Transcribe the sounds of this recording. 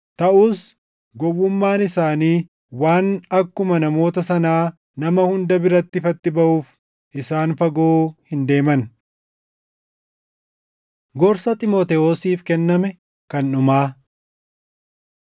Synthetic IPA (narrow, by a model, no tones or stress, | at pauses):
t̪ɐʔuːs | ɡɔwːʊmːaːnɪsaːniː | waːnɐkːʊmɐnɐmo̞ːt̪ɐsɐnaː | nɐmɐhʊnd̪ɐbɪɾɐt̪ːɪfɐt̪ːɪbɐʔuːf | ʔɪsaːnfɐɡoːhɪnd̪e̞ːmɐn | ɡɔɾsɐt̪ʼɪmoːt̪ɛoːsiːfkɛnːɐmɛ | kɐnːʊmaː